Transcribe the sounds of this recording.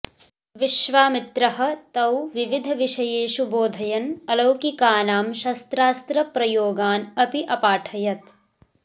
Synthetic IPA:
ʋiʃʋaːmit̪ɾɐɦɐ̆t̪ɐwʋiʋid̪ʱɐʋiʃɐjeːʃuboːd̪ʱɐjɐnɐlɐwkikaːnaːmʃɐst̪ɾaːst̪ɾɐpɾɐjoːɡaːnɐpiʔɐpaːʈʰɐjɐt̪

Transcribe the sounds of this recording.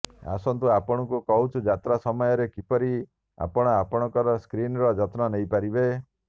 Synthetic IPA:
a̰sɔnt̪uapɔɽ̃ɔŋkukɔɦut͡ʃʰud͡ʒat̪ɾasɔmɔjɔɾekipɔɾi | a̰pɔɽ̃ɔapɔɽ̃ɔŋkɔɾɔskɾinɾɔd͡ʒɔt̪nɔnejpaɾibe

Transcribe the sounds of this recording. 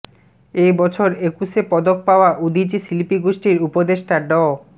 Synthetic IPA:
ejbɔt͡ɕʰoɾekuʃepɔd̪ok̚paoaʔud̪id͡ʑisilipiɡoʃʈiɾupod̪eʃʈaɖɔ

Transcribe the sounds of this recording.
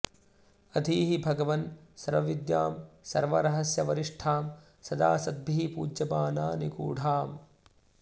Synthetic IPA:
ɐt̪ʰiːɦibʱɐɡɐʋɐnsɐɾʋɐʋid̪ja̰ːmsɐ̰ɾʋɐɾɐɦɐsjɐʋɐɾiʂʈʰaːm | sɐd̪a̰ːsɐd̪̚bʱiɦipuːd͡ʒjɐbaːnaːnikṵːɽʱaːm

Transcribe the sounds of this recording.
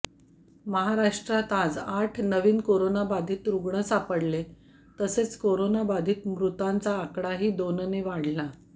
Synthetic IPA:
məɦaɾaʂʈɾat̪ad͡zaʈʰnəʋiːnkoɾonabad̪ʱiːt̪ɾuɡɳ̃əsapəɽle | t̪əset͡skoɾonabad̪ʱiːt̪mɾut̪ant͡saːkɽaɦiːd̪onəneʋaɽ̤la

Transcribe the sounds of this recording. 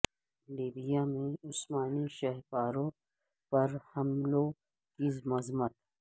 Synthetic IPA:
liːbijamẽʊsmaːniʃɐɦpaːɾõ | pɐɾhɐmlo | kimɐzmət̪

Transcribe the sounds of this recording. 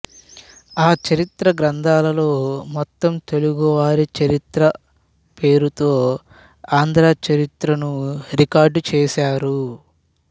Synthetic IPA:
aːt͡ʃɐɾit̪ɾɐɡɾɐnd̪ʱaːlɐlo̞ːmɔt̪ːɐmt̪e̞luɡuʋaːɾit͡ʃɐɾit̪ɾɐ | pe̞ːɾut̪o̞ː | aːnd̪ɾaːt͡ʃɐɾit̪ɾɐnuɾikaːɾɖt͡ʃɛːʃaːɾu

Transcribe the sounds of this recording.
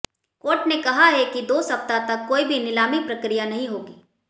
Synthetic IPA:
koːʈnekɐɦaɦɛkid̪oːsɐp̚t̪at̪ɐkːoːibʱinɪlaːmipɾɐkɾijanɐɦĩɦoːɡiː

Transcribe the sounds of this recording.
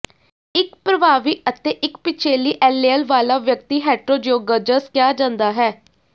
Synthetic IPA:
ɪkpɾəbaːʋiːʔət̪eːʔɪkpɪt͡ʃʰeːliːʔɛːleːəlʋaːlaːʋjək̚t̪iːɦɛːʈɾoːd͡ʒjoːɡəd͡ʒəskjaːd͡ʒãːnd̪aːɦɛː

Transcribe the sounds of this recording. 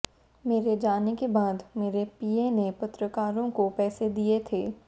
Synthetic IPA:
meːɾed͡ʒaːnekebaːd̪meːɾepiːenepɐt̪ɾəkaːɾõkopɛːsed̪iet̪ʰeː

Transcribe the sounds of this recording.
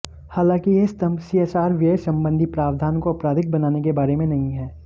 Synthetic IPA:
haːlãːkijest̪ɐmsiɛːsaːɾʋjəsɐ̃mbə̃nd̪ʱipɾaːʋd̪ʱaːnkoɐpɾaːd̪ʱɪk̚bɐnaːnekebaːɾemẽnɐɦĩɦɛː

